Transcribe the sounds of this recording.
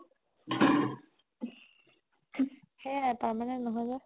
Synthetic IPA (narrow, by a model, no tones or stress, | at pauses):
xɛpaɹmanɛnɔɦɔjza